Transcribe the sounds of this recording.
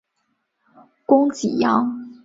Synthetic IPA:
kʊ˥ŋt͡ɕi˨˩jɑ˥ŋ

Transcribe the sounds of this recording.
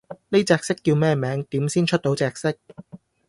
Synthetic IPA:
ne˥jt͡sɛː˧k̚sɪ˥kːiː˧wmɛː˥˩mɛː˨˥ŋt̪iː˨˥msiː˥nt͡ʃʰɵ˥t̚t̪o˨˧˥wt͡sɛː˧k̚sɪ˥k̚

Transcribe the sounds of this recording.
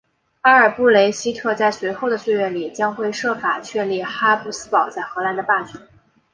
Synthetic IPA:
xa˥ə˞˨˩pu˥˩le˧˥ɪɕi˥t̪ʰɤ˥˧t͡sa˥˩ɪswe˧˥ɪxo˥˩ʊd̪ə˩swe˥˧ɪɥɛ˥˩nli˨˩t͡ɕjɑ˥ŋxwe˥˧ɪʂɤ˥˩fa˨˩t͡ɕʰɥɛ˥˧nli˥˩xa˥pu˥˩sɹ̩˥pɑ˨˩ʊt͡sa˥˩ɪxɤ˧˥la˧˥nd̪ə˧pa˥˩t͡ɕʰy˧˥

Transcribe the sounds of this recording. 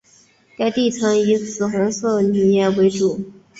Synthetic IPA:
t̪a˥˧ɪt̪i˥˩t͡sʰɤ˧˥ŋi˧˥sɹ̩˨˩xwa˧˥nsɤ˥˩ny˨˩jɛ˥˩we˧˥ɪʈ͡ʂu˨˩˦

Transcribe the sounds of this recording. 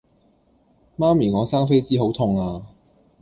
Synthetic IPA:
maː˥miː˨˩ŋɔː˨˧saː˥ŋfe˥jt͡siː˥ɦo˨˥wt̪ʰʊ˧ŋaː˧

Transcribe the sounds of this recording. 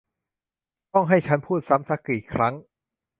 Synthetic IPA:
t̪ɔ˥˩ŋɦa˥˩jt͡ɕʰa˦˥npʰuː˥˩t̪̚sa˦˥msa˦˥kiː˨˩kʰɾa˦˥ŋ

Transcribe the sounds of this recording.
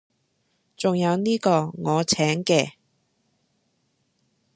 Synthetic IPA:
t͡sʊ˨ŋjɐ˨˧wniː˥kɔː˧ŋɔː˨˧t͡sʰɛː˨˥ŋkɛː˧

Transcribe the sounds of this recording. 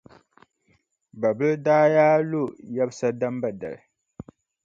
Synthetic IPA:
ba˨bɨ˦daː˦jaː˦lu˦˨ja˦bsa˦da˦mba˨da̰˨l

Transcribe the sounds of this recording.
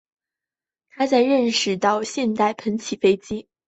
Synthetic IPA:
t̪ʰa˥t͡sa˥˧ɪɻə˥˩nʂɻ̩˧˩t̪ɑ˥˧ʊɕjɛ˥˧nt̪a˥˩ɪpʰə˧˥nt͡ɕʰi˨˩fe˥ɪt͡ɕi˥

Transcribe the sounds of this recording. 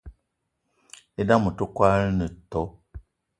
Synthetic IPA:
e˦da˦mu˨to˦kwa˦lnə˨tɔ˨˦

